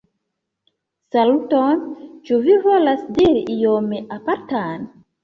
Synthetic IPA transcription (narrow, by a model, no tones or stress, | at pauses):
salutont͡ʃuvivo̞lasdiɾiʔijomeʔapaɾtan